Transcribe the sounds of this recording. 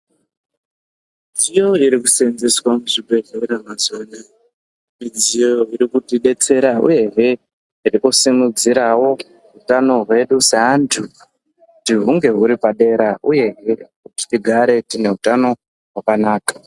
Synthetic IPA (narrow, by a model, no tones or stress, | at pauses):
m | id͡zijo̞iɾikusenzeswamuʐipeɮeiɾamazona | mid͡zijoo̞iɾikutiɗe̞t͡se̞ɾaṵje̞ʐe̞ | irikusimud͡ziɾawo̞ | ɦutano̞ɦwe̞ɗuseɦandʰu | diɦuŋɡe̞ɦuɾipaɗe̞ɾauje̞ɦekuti̥tiɡʱaɾe̞tine̞ɦutano̞ | ɦwakanaːkḁ